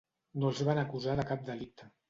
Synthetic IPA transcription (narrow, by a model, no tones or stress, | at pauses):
nolˠzβanəkuzaðəkap̚d̪əlik̚t̪ʰə